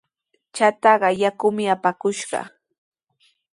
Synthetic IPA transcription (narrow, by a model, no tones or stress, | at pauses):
t͡ʃat̪ɑɢɑjakʊmɪapakʊʃɢɑ̰